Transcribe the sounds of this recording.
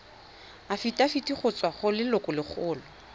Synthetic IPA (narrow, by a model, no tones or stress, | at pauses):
afitʼafitʼiχʊt͡sʼwaχʊlɪlʊkʼʊlɪχʰʊːlɔ